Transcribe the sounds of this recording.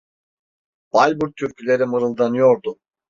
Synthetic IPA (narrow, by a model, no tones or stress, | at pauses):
b̥alʲbuɾt̪ʰːyɾcʰylʲe̞ɾimɯɾɯlˠd̪anɯjo̞ɾd̪ʊ